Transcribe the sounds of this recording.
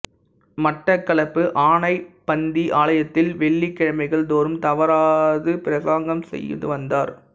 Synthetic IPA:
mɐʈːɐkːɐɭɐpːɯʔaːɳɐɪpɐnd̪iʔaːɭɐjɐt̪ːɪlʋɛɭːikːɐɻɐmɐɪɣɐɭd̪oːɾɯmt̪ɐʋɐɾaːðɯpɪɾɐsaːŋɡɐmsɛ̰jːɯ̰ðɯ̰ʋɐnd̪aːɾ

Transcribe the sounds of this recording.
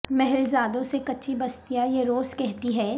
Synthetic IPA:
mɛɦɛlzaːd̪õsekɐtːʃʰibɐst̪ijajeɾoːskɛɦt̪iɦɛː

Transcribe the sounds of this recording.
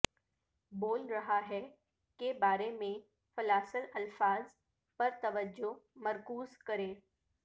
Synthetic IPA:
boːlɾɐɦaɦɛ | kebaːɾemẽ | fɐlaːsəlɐlfaːz | pɐɾt̪ɐʋəd͡ʒomɐɾkuːzkɐɾẽː

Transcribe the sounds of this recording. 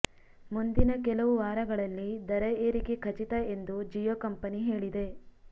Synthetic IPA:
mund̪inɐkɛlɐʋuʋaːɾɐɡɐɭɐlːid̪ɐɾɐeːɾikekʰɐt͡ʃit̪ɐe̞nd̪ud͡ʒijoːkɐmpɐniɦe̞ːɭid̪e̞

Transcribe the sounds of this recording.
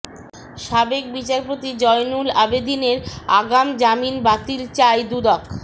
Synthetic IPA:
ʃabek̚bit͡ɕaɾpot̪id͡ʑɔjnulabed̪ineɾaɡamd͡ʑaminbat̪ilt͡ɕaed̪ud̪ɔk

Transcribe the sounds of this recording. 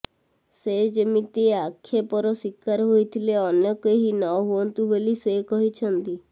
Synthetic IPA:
sed͡ʒəmit̪ieakʰːepɔɾɔsikːaɾɦoit̪ʰileɔnjəkeɦinɔɦuɔnt̪ubelisekɔɦit͡ʃʰənt̪i

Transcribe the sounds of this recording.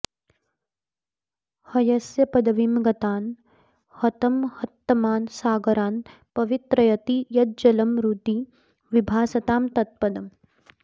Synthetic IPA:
hɐjɐsjɐpɐd̪ɐʋimɡɐt̪aːn | hɐt̪ɐmhɐt̪ːɐmaːnsaːɡɐɾaːn | pɐʋit̪ɾɐjɐt̪ijɐd̪̚d͡ʒɐlɐmɾut̪i | ʋibʱaːsɐt̪aːmt̪ɐt̪̚pɐd̪ɐm

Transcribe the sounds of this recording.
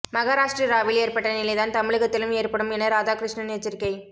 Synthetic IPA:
mɐɣaːɾaːʂʈɾɐɾaːʋɪleːɾpɐʈːɐnɪlɐɪðaːnt̪ɐmɪɻɯɣɐt̪ːɪlɯmeːrpɐɽɯmɛnːɐɾaːðaːkɾɪʂɳɐnet͡ʃːɪɾkɐɪ

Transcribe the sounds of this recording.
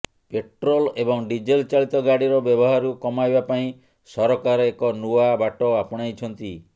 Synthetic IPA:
peʈɾɔlebɔŋɖid͡ʒelt͡ʃaɭit̪ɔɡaɽiɾɔbjɔbɔɦaɾukɔmajbapaĩ | sɔɾɔkaɾɔekɔnuabaʈɔapɔɽ̃ajt͡ʃʰɔnt̪i

